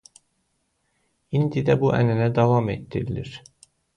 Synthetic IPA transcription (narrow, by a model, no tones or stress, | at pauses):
ind̪id̪æbuʔænænæd̪ɑvɑmet̪ːiɾilḭɾ̥